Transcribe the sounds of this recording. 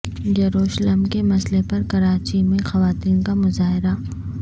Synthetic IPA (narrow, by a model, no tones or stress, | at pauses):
d͡ʒɐɾoːʃləmkemɐslepɐɾkɐɾaːt͡ʃimẽxɐʋaːt̪iːnkamʊzaːɦɪɾa